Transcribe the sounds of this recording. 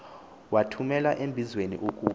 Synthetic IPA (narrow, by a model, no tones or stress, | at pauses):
watʰumɛlaʔembʱizwenḭʔukʼuː